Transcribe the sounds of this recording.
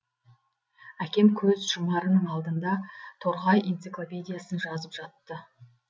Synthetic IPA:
ækʲe̞mkʲʰɵzʒʊmɑɾənəɴɑlˠd̪ənd̪ɑt̪ʰoɾʁɑjʔejnt̪sɨklˠo̞pʲe̞d̪ijasənʒɑzəpʒ̥ɑt̪ːə

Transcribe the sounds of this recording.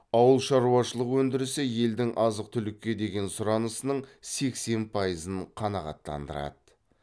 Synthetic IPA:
ɑwəlˠʃɑɾuɑʃəlˠəqwɵnd̪ɪɾɪsɪje̞ld̪ɪŋʔɑzəq̚t̪ʰʏlɪkʲːe̞d̪e̞ɡʲe̞nsʊɾɑnəsənəɴse̞kse̞npʰɑjəzəɴqʰɑnɑʁɑ̰t̪ːɑ̰nd̪ə̰ɾɑ̰d̪ə

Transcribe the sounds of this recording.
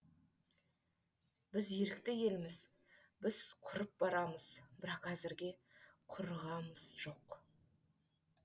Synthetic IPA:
b̥ɪzje̞ɾɪkt̪ɪje̞lɪmɪz | bɪz̥qʰʊɾəp̚bɑɾɑməz̥bɪɾɑqæzɪɾɡʲe̞qʰʊɾʁɑməz̥ʒ̥o̞q

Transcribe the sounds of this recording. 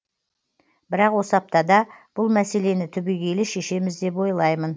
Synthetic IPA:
bɪɾɑqwo̞səɑp̚t̪ɑd̪ɑb̥ʊlˠmæse̞le̞nɪt̪ʰʏbeɡʲe̞lɪʃe̞ʃe̞mɪzd̪e̞p̬wo̞jlˠɑjmən

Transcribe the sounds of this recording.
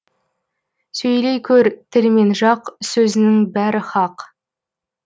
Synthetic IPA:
sɵjlejkʲʰɵɾt̪ʰɪɾme̞nʒɑqsɵzɪnɪŋbæɾɪχɑq

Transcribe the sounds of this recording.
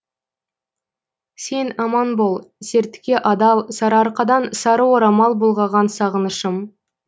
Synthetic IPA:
se̞nɑmɑnbolˠse̞ɾt̪ɪ̥kʲe̞ʔɑd̪ɑlˠsɑɾɑɾqɑd̪ɑnsɑɾəwoɾɑmɑlˠbolˠʁɑʁɑnsɑʁənəʃəm

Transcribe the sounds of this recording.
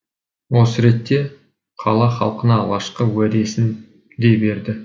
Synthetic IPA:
wo̞səɾe̞t̪ːe̞ | qʰɑ̰lˠɑχɑ̰lˠqənɑɑ̰lˠʁɑʃqəwæd̪e̞sɪn | d̪e̞jbe̞ɾd̪ɪ

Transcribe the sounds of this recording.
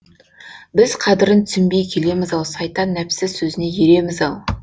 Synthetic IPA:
bɪz̥qʰɑd̪ɪɾənt̪sɪmbe̞jkʲʰe̞le̞mɪzɑlˠsɑjt̪ɑnːæpsɪzsɵzɪne̞jeɾe̞mɪzɑlˠ

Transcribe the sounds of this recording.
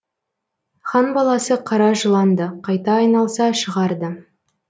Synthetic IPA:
χɑnbɑlˠɑsəqʰɑɾɑʒəlˠɑnd̪əqʰɑjt̪ɑːjnɑlˠsɑʃəʁɑɾd̪ə

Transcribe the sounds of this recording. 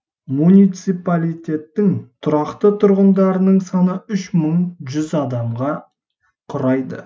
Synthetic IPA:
munijt̪sipalʲijt̪ʲe̞t̪ːɪŋt̪ʰʊɾɑqt̪ət̪ʰʊɾʁənd̪ɑɾənəɴsɑnəʏʃməɴʒʏzɑd̪ɑmʁɑ | qʰʊɾɑjd̪ə̰

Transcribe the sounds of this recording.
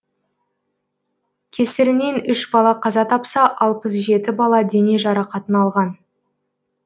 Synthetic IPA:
kʲʰe̞sɪɾɪne̞nʏʃbɑlˠɑqʰɑzɑt̪ʰɑpsɑʔɑlˠpəsʒe̞t̪ɪbɑlˠɑd̪e̞ne̞ʒɑɾɑqɑt̪ənɑlˠʁɑn

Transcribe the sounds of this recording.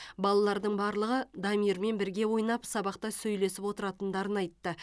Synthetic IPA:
bɑlˠɑlˠɑɾd̪əɴbɑɾlˠəʁəd̪ɑmiɾme̞nbɪɾɡʲe̞wo̞jnɑpsɑbɑqt̪ɑsɵjle̞sɪpwo̞t̪əɾɑt̪ənd̪ɑɾənɑjt̪ːə

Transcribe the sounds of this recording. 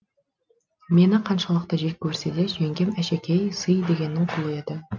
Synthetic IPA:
me̞nɪqʰɑnʃɑlˠəq̚t̪ɑʒe̞kʲʰːɵɾsed̪e̞ʒeŋɡʲe̞mæʃekʲe̞jsəjd̪e̞ɡʲe̞nːɪɴqʰʊlˠəe̞d̪ɪ

